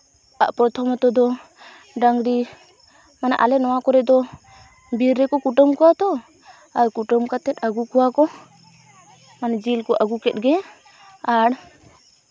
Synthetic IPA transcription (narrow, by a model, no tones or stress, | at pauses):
aʔpɾɔt̪ʰɔmɔt̪ɔd̪ɔ | ɖaŋɡɽi | mana̰ʔalɛnɔwakɔɾɛʔd̪ɔ | biɾːɛkɔkuʈəmkuwat̪ɔ | aɾkuʈəmkat̪ɛt̪aɡukuwakɔ | manad͡ʒilkɔʔaɡukɛt̪̚ˀɡɛ | aɽ